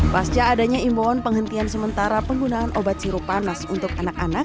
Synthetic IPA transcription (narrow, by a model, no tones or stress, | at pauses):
past͡ʃaːdaɲaimboɔnpəŋɦənt̪iansəmənt̪aɾapəŋɡunaːnʔobat̪̚siɾupanasunt̪ʊkanakanak̚